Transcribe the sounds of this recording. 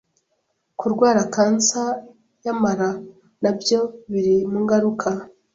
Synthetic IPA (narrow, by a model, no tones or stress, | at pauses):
kuɾɡwaːɾakaːnt͡sa | jamaɾa | nabjo̞βiɾimuŋɡaɾukʰa